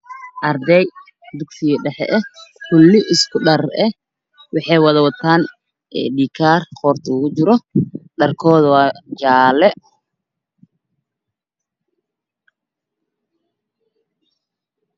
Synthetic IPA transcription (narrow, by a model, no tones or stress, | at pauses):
ʔɐrd̪ɛj | d̪ʊɡsɪjɐɖɛħɛ̰ʔɛkʰʊlːɪʔɪskʰʊɖɐrɛ | wɑħɑjwɑðɐwɐt̪ʰaːn | ɛːɖiːkʰaːrqɔːrt̪ʰuːɣʊt͡ʃɪɾɔɖɐrkʰɔːðwaːt͡ʃaːlɛ